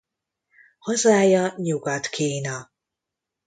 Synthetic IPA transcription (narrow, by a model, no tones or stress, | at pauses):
hɒzaːjɒɲuɡɒt̪kʰiːnɒ